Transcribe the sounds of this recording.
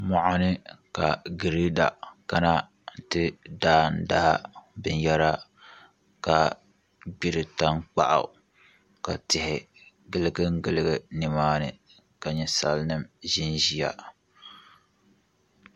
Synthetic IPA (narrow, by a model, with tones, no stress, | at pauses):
mɔ˨ʔa˨nɨ˦ka˨ɡɨ˨ɾi˦da̰˨ka˦na˦˨ | tɨ˦daː˦n̩˨da˦ha˦bɨ˨njɛ˦ɾa˦ | ka˨ | bi˨ɾɨ˨ta˦ŋk͡pa̰˦˨ʔa̰˨ | ka˨tɪ˨hɪ˨ | ɡɨ˦lɨ˦ɡɨ˦ŋ̩˦ɡɨ˦˨lɨ˦ɡɨ˨nɨ˨maː˦nɨ̰˨ | ka˨ɲɛ˨sa˦lnɨ˦mʒɪ˦nʒi˨ja̰˦